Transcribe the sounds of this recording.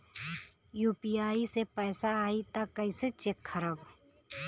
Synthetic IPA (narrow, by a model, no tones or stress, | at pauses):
juːpiaːisepɛːsaaːit̪akəiset͡ʃekʰːəɾəb